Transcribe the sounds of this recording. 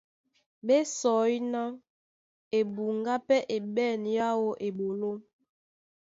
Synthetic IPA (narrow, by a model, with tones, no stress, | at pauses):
ɓe˦sɔ˨˦ji˦na˦ | e˨bu˨ŋɡa˦pɛ˦ʔe˨ɓɛ˦˨nja˦wo˦ʔe˨ɓo˨lo˦